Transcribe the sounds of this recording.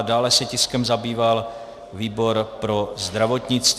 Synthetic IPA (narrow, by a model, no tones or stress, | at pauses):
daːlɛsɛcɪskɛmzabiːval | viːbo̞ɾpɾo̞zd̪ɾavo̞t̪ɲɪt͡st̪